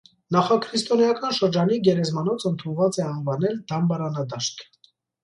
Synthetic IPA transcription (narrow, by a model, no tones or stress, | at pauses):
nɑχɑkʰɾist̪ɔnjɑkɑnʃəɾd͡ʒɑniɡɛɾɛzmɑnɔt͡sʰənt̪ʰunvɑt͡sɛɑnvɑnɛld̪̥ɑmbɑɾɑnɑd̪ɑʃt̪ʰ